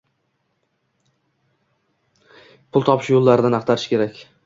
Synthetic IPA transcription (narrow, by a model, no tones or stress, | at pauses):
pʰʊlˠt̪ʰɒpʰɪʃjolˠːaɾɪd̪anɑqt̪ʰaɾɪʃkʲe̞ɾakʲ